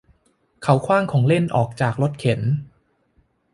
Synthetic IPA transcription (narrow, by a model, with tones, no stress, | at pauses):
kʰa˩˦wkʰwaː˥˩ŋkʰɔː˩˦ŋle˥˩nʔɔː˨˩k̚t͡ɕaː˨˩k̚lo˦˥t̪̚kʰe˨˩˦n